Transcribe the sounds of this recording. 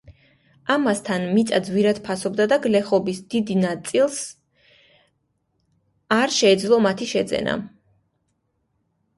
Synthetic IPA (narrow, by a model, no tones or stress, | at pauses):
amast̪ʰanmit̪sʼad̪zwiɾad̪̥pʰasɔbd̪ad̪aɡlɛχɔbisd̪̥id̪inat̪sʼilˠs | aɾʃɛːd̪zlˠɔmat̪ʰiʃɛd̪zɛ̰nʔa̰